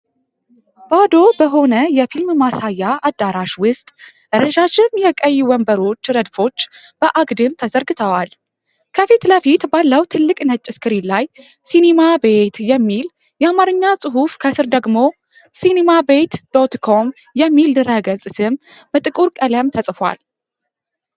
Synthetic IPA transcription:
b̥ad̪o̞bəɦo̞nəjɛfilmmasajːaʔad̪ːaɾaʃwʊst̪ʼʔɨɾəʒat͡ʃːɪnjɛkʼəjːwɔmbəɾo̞t͡ʃːɾəd̪fo̞t͡ʃːb̥əʔaɡd̪ɨmt̪ʰəzəɾɡɨt̪ʰəwal | kʰəfit̪ləfit̪balːəwt̪ʰɨlːɨkʼnət͡ʃʼːɪskɨɾilaj | sinemabe̞t̪jɛmːil | jɛamaɾɨɲːasʼɨɦufkʰəsɨɾd̪əɡmo̞ | sinemabe̞t̪d̪̥o̞t̪kʰo̞m | jɛmːild̪ɨɾəɡəzʼɨsɨm | b̥ət̪ʼɨkʼuɾkʼələmt̪ʰəsʼfwa̰l

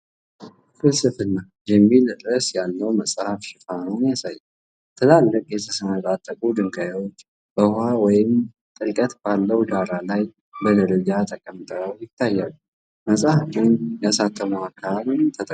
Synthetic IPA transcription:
fɨlsɨfɨnːa | jɛmːilt̪ʼɾəsjalːəwməsʼhafʃɪfanəwnjasajːa | t̪ʰɨlalːəkʼjɛt̪ʰəsəmat̪ʼat̪ʼːəkʼud̪ɨŋɡajwo̞t͡ʃː | b̥əhawɔjɪm | t̪ʼɨlkʼət̪balːəwd̪aɾalaj | bəd̪əɾəd͡ʒat̪ʰəkʼəmt̪ʼəɾəwjɪt̪ʰːajːalːu | məsʼhafɨnjasat̪ʰʼːəmuakʰːalt̪ʰət̪ʼə

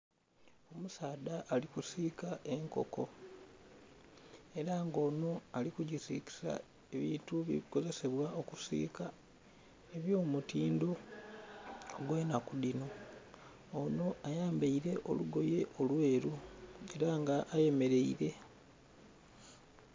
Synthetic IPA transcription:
o̞musaːdaʔːlikusiːkaʔe̞ŋko̞̰ko̞ | e̞ɾaŋɡo̞ːno̞alikuɟisḭki̥sa̰ | e̞βiːntuβḭβiko̞ze̞se̞βwao̞kusḭːka | eβjo̞ːmutiːndo̞ | oɡweːnakudinoː | no̞ʔajaːmbeiɾe̞ʔo̞̰luɡo̞je̞ʔo̞lwe̞ːɾue̞ɾaŋɡaʔːje̞me̞ɾe̞iɾe̞

